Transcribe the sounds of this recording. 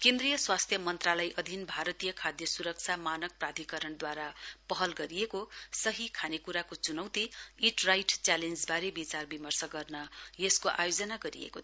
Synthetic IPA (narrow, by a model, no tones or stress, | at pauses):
kẽnd̪rijʌswast̪ʰjʌmʌnt̪ralʌjʔʌd̪ʱinbʱaɾʌt̪ijʌkʰad̪jʌsuɾʌk̚t͡sʰamanʌk̚prad̪ʱikʌɾʌnd̪waɾapʌɦʌlɡʌɾijekosʌɦikʰanekuɾakot͡sunʌwt̪iiʈrajʈt͡salend͡zbaɾebit͡sarbimʌrsʌɡʌrnʌjeskoʔa̰jod͡zʌnaɡʌɾḭḛko